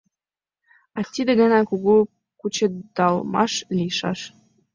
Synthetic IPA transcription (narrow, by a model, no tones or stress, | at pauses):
ɑt̪ʲid̪ĕɣɑnɑkuɣu | kut͡ɕed̪ɑlˠmɑ̰ʃlʲiʃɑʃ